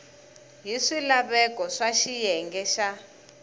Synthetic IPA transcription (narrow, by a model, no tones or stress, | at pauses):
ɦiʂilaβɛkʼɔʂaʃijɛŋɡɛʃa